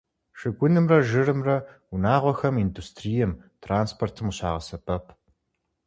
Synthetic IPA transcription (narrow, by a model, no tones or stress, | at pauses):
ʂɨɡʷʼʊnɨmrɐʒɨrɨmrɐ | unaːʁʷɔxɐmindustʰrijɛm | tʰraːnspʰortʰɨmuɕa̰ːʁɐsɐpʰʼɐpʰ